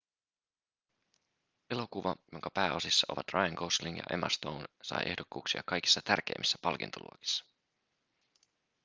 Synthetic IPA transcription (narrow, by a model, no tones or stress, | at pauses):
e̞lo̞kuʋɑjo̞ŋkɑpæːo̞sisːɑʔo̞̰ʋɑt̪rʔɑjɑŋkosliŋjɑ̰ʔḛmɑst̪ownsɑ̰jʔe̞hdokːuːksiɑkɑjki̥sːɑt̪ærk̟e̞ːmisːæ̥pɑlk̟int̪ʰolṵoki̥sːɑ̥